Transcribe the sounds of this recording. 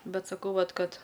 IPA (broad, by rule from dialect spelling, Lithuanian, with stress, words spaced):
ˈbʲɛt sɐˈkɐʊ ˈʋɐt ˈkɐt